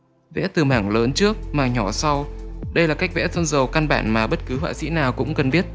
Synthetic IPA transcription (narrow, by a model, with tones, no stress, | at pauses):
vɛ̰˧˥t̪ɨ˨˩maː˧˩ŋləː˨˦nt͡ɕɨ˦˥ək̚maː˨˩ɲɔ˧˩sa˧wɗə˧jlaː˨˩ka˦˥jk̚vɛ̰˧˥t̪ʰə˧nzə˨˩wka˧nɓa̰ː˧˩nmaː˨˩ɓə˦˥t̚kɨ˨˦ɦwa̰ː˧˨sḭ˧˥naː˨˩wkʊ̰˧˥ŋ͡mkə˨˩nɓi˦˥ət̚